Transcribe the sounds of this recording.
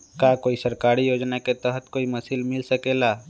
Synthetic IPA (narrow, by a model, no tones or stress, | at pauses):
kakoːisəɾkaːɾijoːd͡ʒnaket̪əɦət̪koːimɐsilmɪlsəkeːlaː